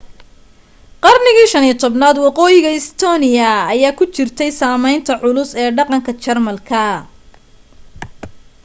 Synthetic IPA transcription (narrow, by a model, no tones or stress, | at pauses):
qɑrnɪɣiːʃɐnijt̪ʰɔbnaːd̪wɑqɔːjɪɣɐɪst̪ʰɔːnɪjɐːjaːkʰʊt͡ʃɪrt̪ʰɛjsaːmɛjnt̪ʰɐʕʊlʊsɛːɖɑqɑŋkʰɐt͡ʃɐrmɐlkʰɐ